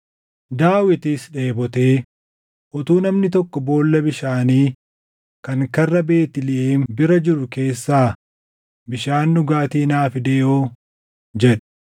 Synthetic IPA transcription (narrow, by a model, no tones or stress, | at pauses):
d̪aːwɪt̪isᶑe̞ːbɔt̪eː | ʔɔt̪uːnɐmnɪt̪ɔkːɔbo̞ːlːɐbɪʃaːniː | kɐŋkɐrːɐbe̞ːt̪ɪlɪʔeːnbɪɾɐd͡ʒɪɾʊke̞ːsːaː | bɪʃaːnːʊɡaːt̪iːnaːfɪd̪eːʔoː | d͡ʒɛᶑɐ̥